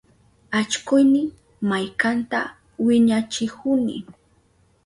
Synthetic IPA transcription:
at͡ʃkʊjnɪ | majkant̪a | wɪɲat͡ʃɪkʊnɪ̰

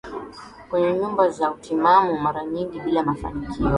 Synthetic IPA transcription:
kwɛɲɛɲumbazautimamumaɾaɲiŋɡiɓilamafa̰nikʰiɔ

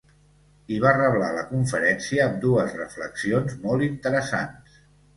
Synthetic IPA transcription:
iβ̞arəβlaləkuɱfəɾɛnsiəːmd̪uəzrəfləksionzmɔlˠint̪əɾəsa̰ns

